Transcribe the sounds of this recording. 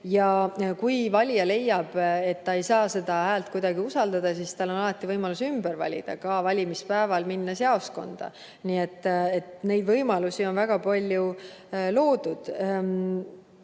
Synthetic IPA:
jɑkujvɑlʲjɑle̞jːɑb̥e̞t̪ːɑe̞jsɑːse̞d̪̥ɑɦæːlt̪̚kujd̪ɑɡiusɑld̪ɑd̪̥ɑsiːst̪ɑlo̞nɑlɑt̪ːˑivɤjmɑlusymb̥əɾvɑ̰lʲḭd̪̥ɑ̰kɑvɑlʲimispæevɑlminːɑseɑosko̞̰nd̪̥ɑ̰ | niːet̪ːe̞t̪ne̞jd̪vɤjmɑlusio̞nvæɡ̥ɑpɑlʲjulo̞ːd̪̥ud̪̥

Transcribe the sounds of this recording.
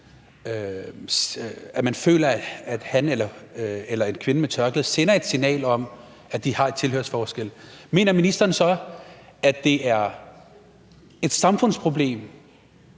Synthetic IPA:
ø | æmænfø̰ːlɐæd̥hænelɐelɐe̝nkʰʋe̝nəmet͡sʰɶɐɡ̥lð̩ˠsenɐe̝d̥sinɛ̰ːlɒ̽m | æd̥ihɑ̈e̝d̥t͡sʰe̝løɐsfɒːsɡ̥el̰me̝̰ːnɐminisd̥ɐːnsɒ̽ | æd̥e̝æɐ | e̝d̥sɑ̈mfɔ̽n̰spʰʁo̝b̥le̝̰ːm

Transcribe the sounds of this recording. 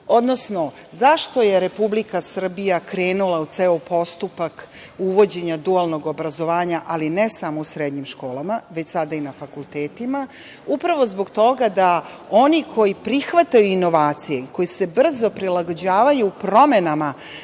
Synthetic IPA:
o̞d̪no̞sno̞ | zaʃt̪o̞je̞ɾe̞publikasr̩bijakɾe̞ːnulˠaut̪seːopo̞st̪upakuʋo̞d͡ʑe̞ɲad̪ualˠno̞ɡo̞bɾazo̞ʋaːɲaʔalinesamousɾed̪ɲimʃko̞ːlˠamaʋe̞t͡ɕsad̪ainafakulˠt̪eːt̪ima | upɾaʋo̞zbo̞ɡt̪o̞ɡad̪ao̞nikʰo̞jipɾixʋat̪ajuino̞ʋaːt̪sije̞ko̞jise̞br̩zo̞pɾilaɡo̞d͡ʑaːʋajupɾo̞me̞nama

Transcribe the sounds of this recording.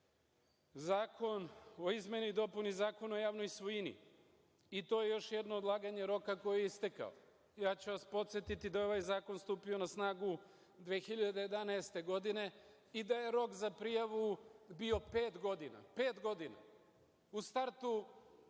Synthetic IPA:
zaːkʰo̞no̞izmʲje̞nuid̪o̞punizaːko̞naojaːʋnojsʋoinḭ | it̪o̞ːje̞jo̞ʃjed̪no̞ːd̪lˠaːɡaɲe̞ɾo̞kako̞jijeist̪eka̰o | jaːt͡ɕuʋaspo̞t̪sjet̪it̪id̪aeo̞ʋajzaːko̞nst̪uːpio̞nasnaːɡu | d̪ʋeːxiʎad̪e̞jed̪anaest̪e̞ɡo̞d̪ine̞ | id̪aje̞ɾo̞kzapɾijaʋubio̞peːt̪ɡo̞d̪ina̰pe̞ːt̪ɡo̞d̪ina̰ | ust̪aɾt̪u

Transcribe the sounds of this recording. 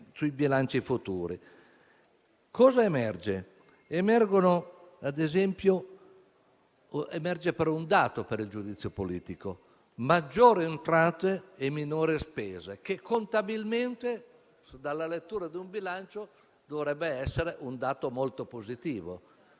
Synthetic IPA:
suibilant͡ʃifut̪ṵːɾḭ | kɔːzaemɛrd͡ʒe | emɛrɡonoad̪ezɛmpjo | emɛrd͡ʒepeɾɔund̪aːt̪opeɾild͡ʒud̪it̪sːjopoliːt̪iko | mad͡ʒːoːɾent̪ɾaːt̪eːminoːɾespeːzekekʰːont̪abilment̪e | d̪alːalet̪ːuːɾad̪iumbilant͡ʃo | d̪ovɾɛbːeɛsːeɾeʔund̪aːt̪omolt̪opozit̪iːvo

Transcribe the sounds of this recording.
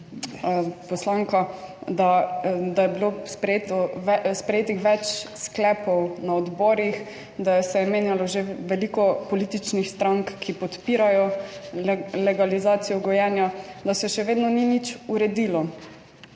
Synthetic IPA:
pɔslaŋkad̪ad̪ajɛbilospɾɛeːt̪ɔɛspɾɛjeːt̪ixʋɛt͡ʃsklɛpɔwnaɔd̪bɔːɾix | d̪ajɛsɛmeːnjalɔʒeʋɛlikɔpɔliːt̪it͡ʃnixst̪ɾaŋkːipɔt̪piːɾajɔ | lɛɡalizaːt̪sijɔɡɔjɛːnjad̪asɛʃɛʋeːd̪nɔninit͡ʃuɾɛd̪ilɔ

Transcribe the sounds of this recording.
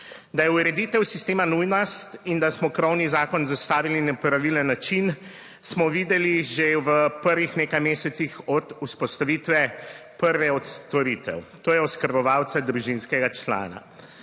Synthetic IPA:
d̪ajɛuɾɛd̪iːt̪ɛwsist̪eːmanujnɔst̪ind̪asmɔkɾɔwnizaːkɔnzast̪aːʋilinɛpɾaʋilənːat͡ʃin | smɔʋiːd̪ɛliʒeʋəpəɾʋixneːkajmeːsɛt̪sixɔd̪uspɔst̪aʋiːt̪ʋɛpəɾʋɛɔt̪st̪ɔɾiːt̪ɛ̰wt̪oːjɛɔskəɾbɔʋaːwt̪sad̪ɾuʒinskɛɡat͡ʃla̰ːna̰

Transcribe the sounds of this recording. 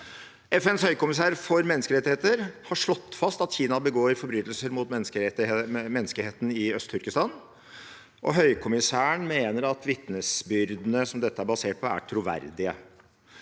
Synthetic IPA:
ɛfɛnshœʏkʊmɪs̬æːɾfɔɾmɛnːəskəɾɛt̪ːɪheːt̪əɾhɑʂɭɔt̪ːfɑst̪ɑt̪çiːnɑbəɡoːɾɪfɔɾbɾyːt̪lsəɾmʊt̪mɛskəmɛnːskəheːt̪n̩ɪœst̪ʰːʏɾkəst̪ɑn | ʔɔ̰ɦœʏkʰʊmɪsæːəɳmeːnəɾɑt̪ʋɪt̪nəsbʏɾd̪ənəsɔmd̪ɛt̪ːəæbɑseːʈ̚pʰɔæ̰ʈʰɾʊʋæ̰ɾd̪ɪə̰

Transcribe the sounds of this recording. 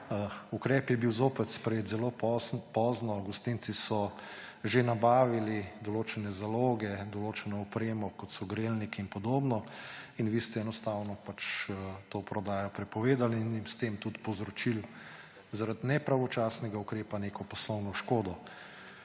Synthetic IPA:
ukɾɛːpjɛbiwzoːpɛt̪spɾɛjeːt̪zɛloːppɔːznɔɡɔst̪int̪sisɔ | ʒenabaːʋilid̪ɔloːt͡ʃɛnɛzaloːɡɛd̪ɔloːt͡ʃɛnɔɔpɾeːmɔkɔt̪sɔɡɾelnikiːnpɔd̪oːbnɔinʋiːst̪ɛɛnɔst̪aːwnɔpat͡ʃət̪oːpɾɔd̪aːjɔpɾɛpɔʋeːd̪aliːnjimst̪eːmt̪ut̪pɔwzɾɔt͡ʃil | zaɾad̪nɛpɾaʋɔt͡ʃaːsnɛɡaukɾeːpaneːkɔpɔslɔwnɔʃkoːd̪ɔ

